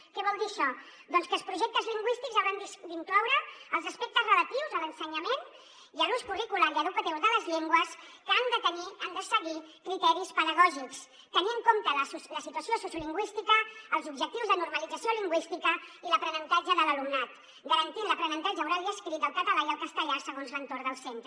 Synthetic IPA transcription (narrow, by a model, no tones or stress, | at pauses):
kɛβɔlˠd̪iəʃɔ | d̪ɔnskəlˠspɾuʒɛk̚t̪əzliŋɡwist̪ikzaɾand̪isd̪iŋklɔwɾəəlˠzəspek̚t̪əzrələt̪iwzələnsəɲɐmen | jəluskurikulaɾiəðukət̪iwzðələzʎeŋɡwəs | kand̪ət̪əniand̪əsəɣi | kɾit̪ɛɾispəðəɣ̞ɔʒiks | t̪əniəŋkomt̪ələsuləsit̪uəsiosusjuliŋɡwist̪ikəːlˠzubʒək̚t̪iwzðənuɾməlid͡zəsioliŋɡwist̪ikəiləpɾənənt̪ad͡ʒəðələlumnat̪ | ɡəɾənt̪inləpɾənənt̪ad͡ʒəːwɾaðiəskɾit̪əlˠkət̪əlaiəlˠkəst̪əʎasəɣ̞onzlənt̪ord̪əlˠsent̪ɾə